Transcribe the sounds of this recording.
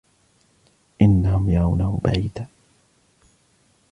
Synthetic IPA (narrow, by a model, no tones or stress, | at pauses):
ʔɪnːahʊmjɑɾˤɑwnahʊba̰ʕiːd̪aː